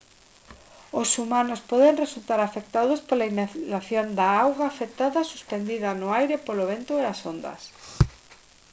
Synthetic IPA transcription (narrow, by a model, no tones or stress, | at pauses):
osumanospɔðeŋresult̪aɾafek̚t̪aðospolainalaθjond̪aawɣaːfek̚t̪aðɐsu̥spend̪iðɐnʊajɾɪpoloβ̞ent̪ʊeasond̪ɐ̰s